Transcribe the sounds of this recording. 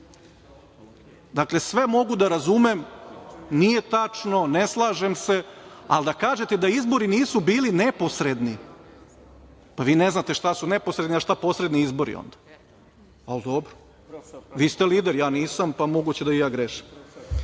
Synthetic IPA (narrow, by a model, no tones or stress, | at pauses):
d̪akle̞sʋe̞mo̞ɡud̪aɾazume̞m | nije̞t̪at͡ʂno̞ne̞slˠaːʒe̞mse̞a̰ld̪akaːʒe̞t̪ed̪aizbo̞ɾiniːsubiːline̞po̞sɾe̞d̪ni | paʋiːneznat̪e̞ʃt̪asune̞posɾed̪niaʃt̪apo̞sɾe̞d̪niizbo̞ɾḭo̰nd̪̥a | ald̪o̞bɾo | ʋiːst̪eliːd̪eɾjaːniːsampamo̞ɡut͡ɕed̪aijaːɡɾeʃim